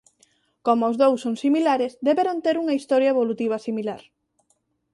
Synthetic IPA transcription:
komoːzðowsːoŋsimilaɾezd̪eβeɾont̪eɾuŋɐist̪ɔɾjaeβolut̪iβ̞ɐsimilaɾ

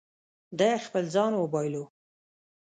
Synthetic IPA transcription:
d̪ɑexpəlzɑnwəbɑjlo

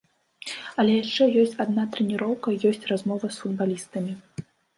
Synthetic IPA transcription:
ɐlʲɛjaʂt͡ʂɛjɔsʲt͡sʲad̪nat̪ɾɛnʲiɾɔwkɐjɔsʲt͡sʲrazmɔvɐsfud̪balʲist̪ɐmʲi

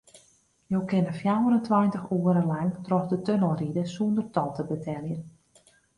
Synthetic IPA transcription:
jowkɪnəfjawəɾəntʋajntəxuəɾəlaŋtrɔxdətønəlˠridəsundərtɔlˠtəbətʰɛljən

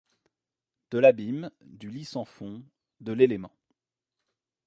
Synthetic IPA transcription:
d̪̥əlabimd̪ylisɑ̃fɔ̃ | d̪əlelemɑ̃

